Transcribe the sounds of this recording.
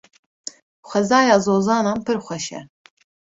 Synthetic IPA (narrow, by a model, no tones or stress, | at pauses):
χʷɛzɑːjɑːzoːzɑːnɑːmpʰɨɾχʷɛʃɛ̰